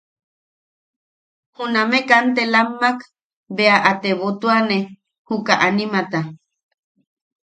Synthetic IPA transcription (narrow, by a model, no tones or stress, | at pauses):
hunamẽkant̪elamːak | beaʔat̪eβot̪uane | hukaʔanimat̪a